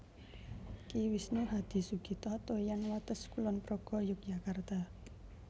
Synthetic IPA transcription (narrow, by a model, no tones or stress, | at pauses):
kiwisneɦad̪̥i̤suɡ̥i̤t̪ɔt̪ojanwat̪əskulɔnpɾɔɡ̥ɔ̤jʊk̚d͡ʒakart̪a